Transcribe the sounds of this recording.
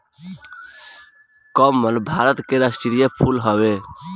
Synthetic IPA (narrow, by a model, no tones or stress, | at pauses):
kəmːəlbʱaɾət̪keɾasʈiɽijepʰulɦəbe